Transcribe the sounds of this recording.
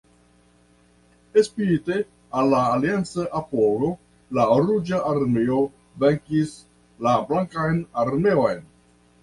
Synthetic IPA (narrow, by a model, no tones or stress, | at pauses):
espiɾite | alːaːliant͡saʔapoɾo̞ | laɾud͡ʒaʔaɾmeo | veŋkis | lablaŋkajnaɾme̞o̞jn